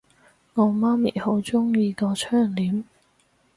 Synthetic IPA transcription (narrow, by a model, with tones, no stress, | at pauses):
ŋɔː˨˧maː˥mḭː˨˩ho˨˥wt͡sʊ˥ŋjiː˧kɔː˧t͡ʃʰœː˥˩ŋliː˨˥m